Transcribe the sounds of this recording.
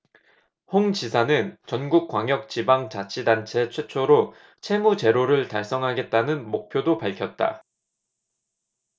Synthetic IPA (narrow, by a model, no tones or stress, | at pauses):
hoŋd͡ʑisʰanɯnt͡ɕʌnɡuk̚k͈waŋjʌk̚t͡ɕibaŋt͡ɕat͡ɕʰidant͡ɕʰe̞t͡ɕʰwe̞t͡ɕʰoɾo | t͡ɕʰe̞mut͡ɕe̞ɾoɾɯɭtaɭs͈ʌŋɦaɡe̞t̚t͈anɯnmok̚pʰjodopaɭkʰjʌt̚t͈a̰